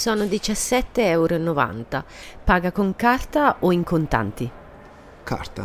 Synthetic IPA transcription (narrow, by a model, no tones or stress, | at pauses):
sɔːnʊd̪it͡ʃasːɛt̪ːeɛwɾonova̰nt̪apaːɡakoŋkart̪aoiŋkont̪a̰nt̪i | kʰa̰rt̪a̰